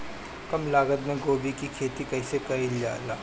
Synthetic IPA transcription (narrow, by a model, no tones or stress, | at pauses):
kɐmlaːɡəd̪mẽɡoːbikikʰeːt̪ikɐɪsekɐilja̰ːlaː